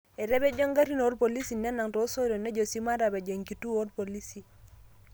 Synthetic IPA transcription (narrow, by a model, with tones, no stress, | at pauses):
ɛ˨ɾɛ˦be˦d͡ʒɔ˦ŋɡa˦ɾi˦no˦rpo˨li˦si˨nːɛ˦na˨ŋto˨˦so˦ɾo˨ne˦d͡ʒo˨si˦ma˦ɾa˨bɛ˨d͡ʒe˨ŋki˨tu˦o˦rpo˨li˦si˨